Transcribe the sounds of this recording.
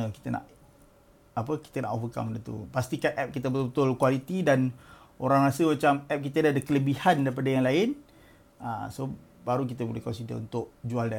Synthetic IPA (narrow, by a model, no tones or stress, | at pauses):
əki̥t̪əna̰ʔ | ap̬əki̥t̪əna̰ʔɔfəka̰mdənt̪ṵpast̪ikat̪̚ʔɛp̚kit̪̬əbəbət̪ʊlkwalit̪idan | oɾaŋɾasəmat͡ʃamɛp̚kit̪ədaadakələbihandaɾip̬adajaŋlaɪn | a̰so | baɾuk̬it̪əbulɪhkɔnsidə̰ṵnt̪ʊʔd͡ʒualda